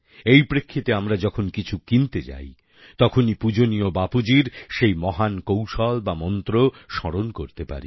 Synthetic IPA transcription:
ejpɾekʰːit̪eamɾad͡ʑɔkʰonkit͡ɕʰukint̪et͡ɕa̰j | t̪ɔkʰonipud͡ʑoniobapud͡ʑiɾʃejmɔɦankowʃɔlbamɔnt̪ɾoʃɔɽonkoɾt̪epa̰ɾḭ

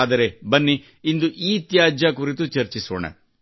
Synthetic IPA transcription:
d̪ɐɾe̞bɐnːi | ind̪uʔiːt̪jaːd͡ʒjɐkuɾit̪ut͡ʃɐɾt͡ʃisʋo̰ɳḛ

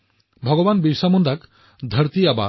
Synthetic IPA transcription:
bʱɔɡɔbanbiɾsamɔnd̪ʱak | d̪ʱəɾt̪iaba̰

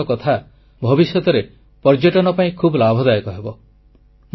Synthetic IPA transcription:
ɔkɔt̪ʰa | bʱɔbisjɔt̪ɔɾe | pɔɾd͡ʒeʈɔnɔpaĩkʰubɔlabʱɔd̪ajekɔɦebɔ | m

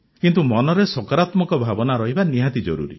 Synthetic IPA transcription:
kint̪umɔnɔɾesɔkaɾat̪mɔkɔbʱabɔnaɾɔɦibaniɦat̪id͡ʒɔ̰ɾṵɾḭ

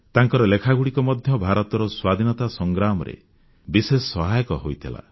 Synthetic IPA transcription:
t̪aŋkɔɾɔlekʰaɡuɽikɔmɔd̪ʱjɔbʱaɾɔt̪ɔɾɔswad̪ʱinɔt̪asɔŋɡɾamɔɾḛ | bisesɔsɔɦajɔkɔɦojt̪ʰila̰

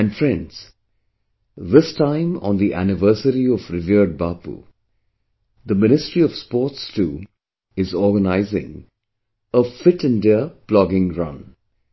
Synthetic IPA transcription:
æ̃nɖfɹɛ̃ndz̥ | ðɪstãɪ̃mɔ̰̃nd̪iʔæ̰nɪvɜːsəɾiɔvɾɪviɖ̚baːpṵ | d̪əmɪnɪstɾiɔv̥spɔːtstʰuː | ɪzɔːɡənaɪzɪ̰̃ŋ | əfɪʈɨ̃ndɪəplɔɡɪ̃ŋɾʌ̰̃n

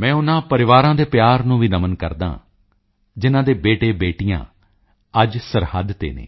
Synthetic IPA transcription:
mɛ̃ːʊnãːpəɾɪʋaːɾãːd̪eːpjaːɾnũːʋiːnəmənkəɾd̪ã̰ː | d͡ʒɪnãːd̪eːbeːʈeːbeːʈijã̰ː | əd͡ʒsəɾhəd̪t̪ḛːnḛː

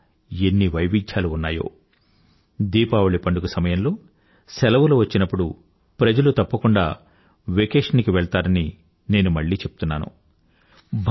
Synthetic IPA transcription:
enːiʋɐjʋid͡ʒʰjaːluːnːa̰ːjo̞̰ː | d̪iːpaːʋuɭipɐɳɖukusɐmɐjɐmlo̞ː | sɛlɐʋuluʋɐt͡ʃːinɐpːuɽu | pɾɐd͡ʒɐlut̪ɐpːɐkuɳɖa̰ː | ʋekeːʂɐnikiʋɛɭt̪aːɾɐni | ne̞ːnumɐɭːiːt͡ʃe̞pu̥t̪unːaːnṵ | bʱ

